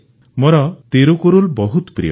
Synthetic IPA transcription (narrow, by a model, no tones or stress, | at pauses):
moɾɔt̪eɾukoɾulbɔɦut̪pɾḭ